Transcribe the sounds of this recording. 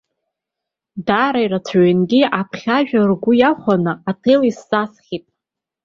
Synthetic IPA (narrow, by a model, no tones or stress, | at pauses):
daɾajrat͡sʷʰaɥinɡʲiapʰχʲaʒᶣarɡʷʊjaχʷanɨatʰejlisːasχʲitʼ